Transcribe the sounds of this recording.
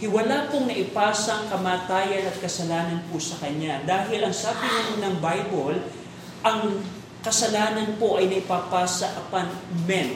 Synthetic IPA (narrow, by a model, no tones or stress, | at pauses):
hɪwɐlapoŋnɐʔɪpaːsɐŋkɐmaːt̪aːjɐnɐt̪̚kɐsɐlaːnɐnposɐkɐɲad̪aːɦɪlʔɐŋsaːbɪnɐmonɐŋbajbol | ʔɐŋ | kɐsɐlaːnɐnpo̞ʔɐjnɐpaːpaːsɐʔɐpanmɛn